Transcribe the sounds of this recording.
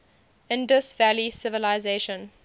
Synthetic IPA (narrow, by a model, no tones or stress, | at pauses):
ɪ̃ndəsvælisɪvəlaɪzeːʃə̃n